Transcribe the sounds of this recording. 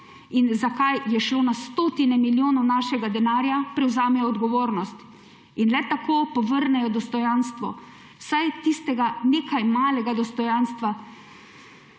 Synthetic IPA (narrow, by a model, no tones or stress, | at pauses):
inzakajjɛʃloːnast̪ot̪inɛmiljoːnɔwnaːʃɛɡad̪ɛnaːɾjapɾɛwzaːmɛjɔːd̪ɡɔʋoːɾnɔst̪ | inlɛt̪akʰoːpɔʋəɾnɛjɔd̪ɔst̪ɔjanst̪ʋɔ | wsajt̪ist̪ɛɡaneːkʰajmaːlɛɡad̪ɔst̪ɔjanst̪ʋa